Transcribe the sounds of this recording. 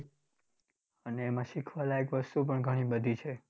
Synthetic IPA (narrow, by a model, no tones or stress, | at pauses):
əneːmãʃikʰʋalaekʋəst̪upəɳɡʱəɽ̃ĩbəd̪ʱit͡ʃʰe